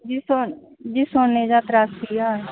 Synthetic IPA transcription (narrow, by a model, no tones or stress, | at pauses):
d͡ʒiso | d͡ʒiːsoːnneːd͡ʒaːt̪ɾaːsijaː